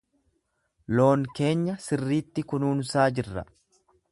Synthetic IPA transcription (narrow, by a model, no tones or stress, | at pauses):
lo̞ːŋke̞ːɲːɐsɪrːiːt̪ːɪkʊnuːnsaːd͡ʒɪrːɐ̰